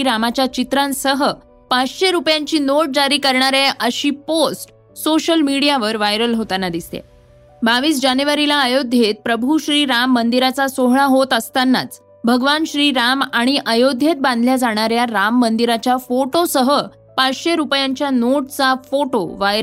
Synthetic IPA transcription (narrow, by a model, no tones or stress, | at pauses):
ɾamat͡ɕjat͡ɕit̪ɾãnsəɦə | pat͡sɕeɾupjãɲt͡ɕiːnoʈ̚d͡ʑaɾiːkəɾɳaɾeəɕiːposʈ | soɕəlmiɽijaʋəɾʋajɾəlɦot̪anːad̪ist̪ḛ | baʋiːs̬d͡ʑanjuʋaɾilaəjod̪ʱjet̪̚pɾəbʱuɕɾiːɾamːənd̪iɾat͡sasoɦɭaɦot̪əst̪anːa̰t͡s | bʱəɡʋanɕɾiːɾamaɽ̃iʔəjod̪ʱjet̪̚bãnd̪ʱljad͡zaɽ̃aɾjaɾamːənd̪iɾat͡ɕjafoʈosəɦə | pat͡sɕeɾupjãɲt͡ɕjanoʈ̚t͡safoʈoʋajɾə